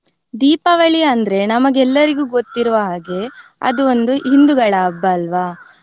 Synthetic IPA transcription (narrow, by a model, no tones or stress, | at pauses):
d̪iːpɐʋɐɭiɐnd̪ɐɾe̞nɐmɐɡɛlːɐɾiɡuːɡo̞t̪ːiɾuʋɐɦaːɡe̞ɐ̰d̪uond̪uɦind̪uɡɐɭɐːbːɐːlʋaː